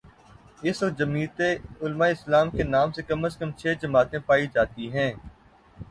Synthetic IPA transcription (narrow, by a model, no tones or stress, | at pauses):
ɪsʋɐk̪̚d͡ʒɐmiːt̪eʊlmaɪslaːmkenaːmsekɐməskə̃mt͡ʃʰeːd͡ʒɐmaːt̪ẽpaːid͡ʒaːt̪iɦɛ̃ː